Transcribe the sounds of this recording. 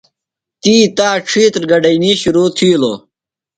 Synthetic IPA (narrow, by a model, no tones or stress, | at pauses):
t̪iːt̪aːʈ͡ʂʰiːt̪ɾɡɐɖɐiniɕuɾuːt̪ʰiːlo̰